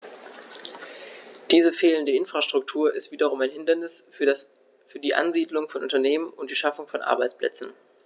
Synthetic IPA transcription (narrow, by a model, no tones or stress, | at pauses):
d̥iːzəfeːləndəɪnfʁ̥aʃtʁ̥ʊktʰuːɐʔɪstv̥iːdɐʁʊmaɪnhɪndɐnɪs | fyːɐdiːʔa̰nziːdlʊŋfɔnʔʊntɐneːmənʔʊnt̚d̥iːʃafʊŋfɔnʔa̰ɐbaɪt͡splɛ̰t͡sn̩